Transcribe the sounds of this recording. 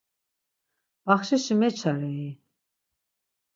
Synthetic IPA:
b̥aχʃiʃimɛt͡ʃʰaɾɛi

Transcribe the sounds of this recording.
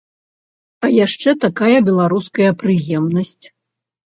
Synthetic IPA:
ɐjaʂt͡ʂɛt̪akajɐbʲɛlˠaɾuskɐjɐpɾɨjɛmnɐsʲt͡sʲ

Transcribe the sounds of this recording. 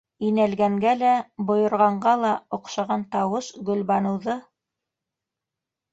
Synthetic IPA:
inælɡæŋɡælæbŏjŏɾʁɑɴɢɑlˠɑŏqʃɑʁɑnt̪ɑwɤʃɡɵ̆lbɑnɤ̆wðɤ

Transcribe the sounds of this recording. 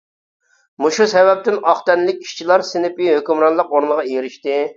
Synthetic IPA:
muʃusɛvɛp̚t̪ɪnɑχt̪ɛnlɪkʲi̥ʃt͡ʃʰilˠɑɾsɪnɪpiɦøkʲymɾɑnlˠəqoɾnəʁɑeɾɪʃt̪ɪ

